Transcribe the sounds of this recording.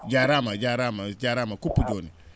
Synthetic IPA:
d͡ʒaɾamad͡ʒaɾamad͡ʒaɾamakupːud͡ʒoni

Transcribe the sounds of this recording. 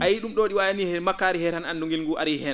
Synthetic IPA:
ʔajiɗumɗoːɗiwajanihɛmakːaːɾihɛtananduŋɡilŋɡuʔa̰ɾihɛa

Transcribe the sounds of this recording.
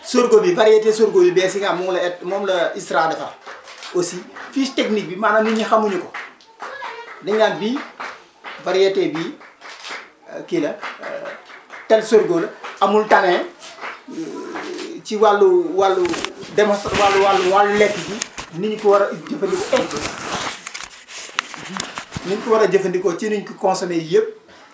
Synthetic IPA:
soɾɡobivɐɾijɐtɛːsoɾɡoːbibɛsiŋaːnmuŋlɐɛt̚mɔːmlɐisɾaːdɐfɐosifisteknik̚bimaːnaniɲixɐmuɲukɔ | dɐɲaːnbi | vaɾijɐtɛbi | kilɐ | tɛlsoɾɡoːlɐɐmultɐŋɛ | t͡ʃiwalːuwalːudɛmɔsawalːuwalːuwalːulɛkːiɡiniɲkiwɐɾɐd͡ʒəfɐndikɔʔɛkbi | niɲkiwɐɾɐɟəfɐndikɔt͡ʃinuɲkikɔnsɐmejəp̚

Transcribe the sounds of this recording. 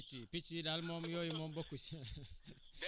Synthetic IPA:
t͡ʃipit͡ʃidalmɔmjɔjimɔmbɔkus

